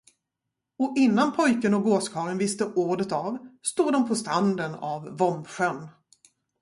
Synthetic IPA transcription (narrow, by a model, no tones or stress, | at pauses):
ɔʔɪnːanpʰɔjkənɔɡoːskʰɑːɾənvɪst̪əʔuːɖət̪avst̪uːd̪ɔmpʰɔst̪ɾand̪əna̰vːɔmɧœnː